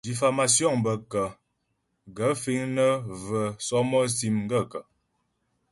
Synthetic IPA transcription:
di˨fa˨ma˨sjɔ˦˨ŋbə˨kə˨ | ɡə˨˦fi˦ŋnə˦və˨sɔ˦mɔ˦si˦mŋ˦ɡə˦˨kə˨

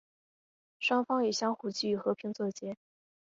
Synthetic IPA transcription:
ʂwɑ˥ŋfɑ˥ŋjɛ˨˩ɕjɑ˥ŋxu˨˩t͡ɕi˥y˧˥˩xɤ˧˥pʰi˧˥ŋt͡sɤ˥˩t͡ɕjɛ˥

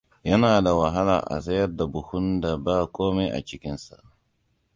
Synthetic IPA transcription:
jɐ˦naː˨da˨wa˨ɦa˦la̰ː˨ʔa̰˨zɐ˦jɐ˦rda˨bʊ˨hʊ˦nda˨baː˦kʷoː˦me˦ʔa̰˨t͡ʃɪ˦kʲɪ˦nsa̰˨ʔ

